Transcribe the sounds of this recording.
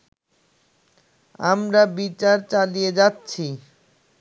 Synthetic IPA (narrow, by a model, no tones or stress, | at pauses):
amɾabit͡ɕaɾt͡ɕalijed͡ʑatːɕʰi